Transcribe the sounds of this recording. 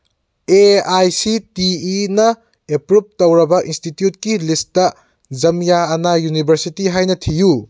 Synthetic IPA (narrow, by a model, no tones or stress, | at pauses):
eajsitiːnɐ | epɾup̚tɐwɾɐbɐʔinstitjut̚kilistɐ | zɐmjaːnajunibʱɐɾsitiɦajnɐtʰiju